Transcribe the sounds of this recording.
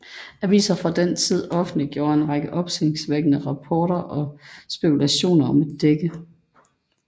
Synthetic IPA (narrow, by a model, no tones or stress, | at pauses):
æʋḭːsɐfʁɑ̈d̥ent͡sʰið̞̰ˠɒ̽fn̩d̥liɡ̥jo̝ːɐe̝nʁɑɡ̥əʔɒ̽b̥seleŋsʋeɡ̥ənəʁɑ̈pʰɒːɾɐʔɒ̽sb̥e̝kʰulæɕo̝̰ːnɐɒ̽mæd̥eɡ̥ə